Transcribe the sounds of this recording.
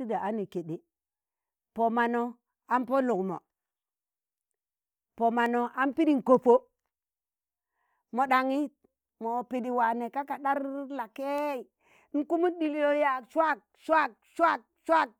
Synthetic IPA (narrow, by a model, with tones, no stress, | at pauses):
i˦da˨a˦ni˨ke˨ɗi˨ | po˨ma˨no˨ | a˦mpo˦lu˨kmo̰˨ | po˨ma˨no˨ʔa˦npi˦ɗi˦˨ŋ˨ko˨po˦ | mo˨ɗa˨ŋi˦ | mo˨pi˨di˨wa˨ne˨ka˦ka˨ɗa˦ɾla˨ke˦˨˦ | n̩˦ku˦mu˦ɗi˨li˦o˦ja˨swa˦k̚ʃa˦k̚ | ʃa˦k̚ʃa˦k̚